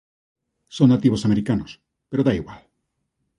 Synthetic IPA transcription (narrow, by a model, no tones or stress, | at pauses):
soŋnat̪iβ̞osameɾikanos | peɾoðaiɣwal